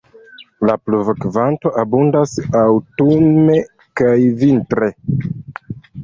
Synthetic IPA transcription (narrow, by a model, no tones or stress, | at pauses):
lapluvakvanto̞ʔabundasawtume̞ | kajvintɾe̞